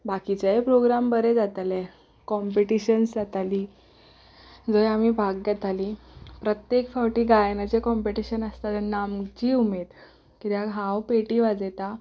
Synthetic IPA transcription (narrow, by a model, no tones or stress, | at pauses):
bakit͡ɕaepɾoɡɾambəɾed͡zat̪alɛ | kɔmpeʈiɕənsd͡zat̪aliː | d͡zojam̤ibʱaɡɡɛt̪aliːpɾət̪jekfawʈiːɡajnat͡ɕekɔmpeʈiɕənəst̪at̪namt͡ɕiːumed̪ | kit̪jãɡʱãwpeʈiʋad͡zet̪a